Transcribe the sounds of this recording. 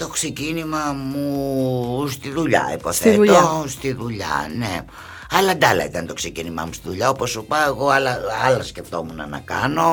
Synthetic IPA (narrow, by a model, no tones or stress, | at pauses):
t̪o̞ksecinimɐmu | st̪iðuʎɐ̰ḭposθet̪ost̪iðuʎɐ̰ne | ɐlɐd̪ɐlɐ̰it̪ɐnt̪o̞ksecinimɐ̰must̪iðuʎɐopo̞supɐeɣo̞ɐlɐɐlɐsceft̪o̞munɐnɐ̰kɐno̞